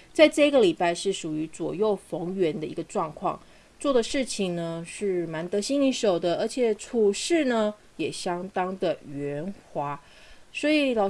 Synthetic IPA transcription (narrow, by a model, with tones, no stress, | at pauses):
t͡sa˥˧ɪʈ͡ʂɤ˥˧i˧ɡə˨li˨˩pa˥˧ɪʂɻ̩˥˩ʂu˨˩y˧˥t͡swɔ̰˨˩jo˥˩ʊfɤ˧˥ŋɥɛ˧˥nd̪ə˧ḭ˧˥ɡə˧ʈ͡ʂwɑ˥˧ŋkʰwɑ̰˥˩ŋ | t͡swɔ˥˩d̪ə˩ʂɻ̩˥˩t͡ɕʰi˨˩ŋnə˩ʂɻ̩˥˩ma˧˥nt̪ɤ˧˥ɕi˥ni˧˥ʂo˨˩ʊd̪ə˦ʔə˞˧˥t͡ɕʰjɛ˨˩˦ʈ͡ʂʰu˨˩ʂɻ̩˥˩nə˩ | jɛ˨˩ɕjɑ˥ŋt̪ɑ˥ŋd̪ə˨ɥɛ˧˥nxwa˧˥ | swɔ˧˥i˨˩l